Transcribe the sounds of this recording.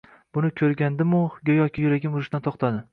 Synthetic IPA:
b̥ʊnɪkʲʰɵɾɡʲand̪ɪmʊɡʲajɒkʲʰɪjʊɾaɡʲɪmʊɾɪʃd̪ant̪ʰoχt̪ʰad̪ɪ

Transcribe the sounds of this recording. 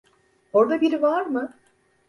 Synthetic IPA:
o̞ɾd̪abiɾivaɾmɯ

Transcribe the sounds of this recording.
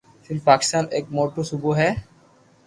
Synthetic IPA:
filpaki̥st̪anek̚moʈusubuɦɛ

